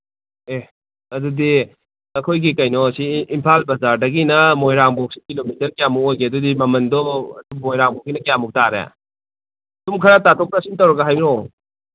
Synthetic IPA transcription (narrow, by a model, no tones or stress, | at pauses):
e | ɐdudi | ɐkʰojɡikɐjnɔsiːmpʰalbɐzaɾdɐɡinɐmojɾaŋbɔk̚si̥kilomitɐɾkijamukojkeɐdudimɐmɐndɔɐ̰dumːojɾaŋbɔk̚sinɐkijamuk̚taɾḛ | dumkʰɐɾatatʰɔk̚ɾasiŋtɐwɾɐɡaɦajmiɾɔ